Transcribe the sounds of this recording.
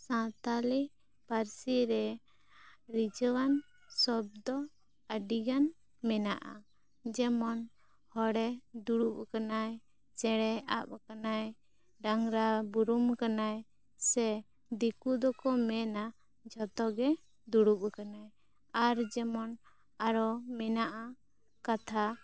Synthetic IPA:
sãt̪ali | paɾsiɾɛ | ɾid͡ʒɔwan | sɔb̚d̪ɔ | əɖiɡan | mɛnaʔa̰ | d͡ʒɛmɔn | hɔɽɛd̪uɽup̚kanaj | t͡ʃɛɽɛap̚kanaj | ɖaŋɾabuɾumkanaj | sɛ | d̪ikud̪ɔkɔmɛna | d͡ʒʱɔt̪ɔɡɛ | d̪uɽuɓ̚kanaj | aɾd͡ʒɛmɔn | aɾɔmɛnaʔa | kat̪ʰa

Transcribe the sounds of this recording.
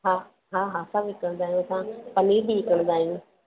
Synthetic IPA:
ɦa | ɦaːɦaːsabɪkəɽ̃nd̪aːɦijũsãpɐniːɾbiɪkəɽ̃d̪aːɦijũ

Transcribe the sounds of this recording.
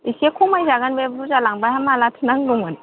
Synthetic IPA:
isekʰumajzaɡanbebɾuzalaŋbajhamalatʰɯnaŋlɔŋan

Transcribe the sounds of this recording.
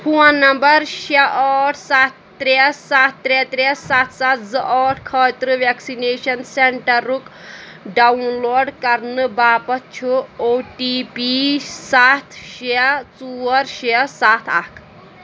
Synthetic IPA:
huãnɐmbɐɾʃeʔɔːʈʰsat̪ʰːɾessat̪ʰːɾet̪ɾesat̪ʰsat̪ʰd͡zɨʔɔːʈʰkʰɐːt̪ɾɨʋeksineːʃɐnseɳʈɐɾːuk | ɖanloːɖkɐɾnɨbaːpɐt̪̚t͡ʃʰuoːʈipisaːt̪ʰʃet͡suɐɾʃesaːt̪ʰa̰kʰ

